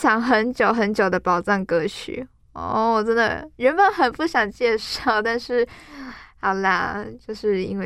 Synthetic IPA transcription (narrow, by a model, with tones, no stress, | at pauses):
ɕjɑ˧˥ŋxə˧˥nt͡ɕjo˨˩ʊxə˧˥nt͡ɕjo˨˩d̪ə˦pɑ˨˩ʊʈ͡ʂɑ˥˩ŋkɤ˧˥t͡ɕʰy̰˨˩˦ | ɔ̰˥˧˩wɔ˨˩ʈ͡ʂə˥nd̪ə̰˨˩ɻə˧˥nbə˨˦nxə˨˩npu˥˩ɕjɑ˨˩ŋt͡ɕjɛ˥˧ʂɑ˥˩ʊt̪a˥˧nʂɻ̩˥˩ | a˨˩la̰˥˩t͡ɕjo˥˧ʊʂɻ̩˥˩ḭ˥nwe˥˩